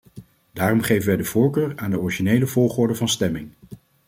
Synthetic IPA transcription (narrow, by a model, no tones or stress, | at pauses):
daːrɔmχejvənʋɛjdəvʊːɹkøːɹaːndəɔriʒinejləvoːχʊːɹdəvɑnstɛmɪŋ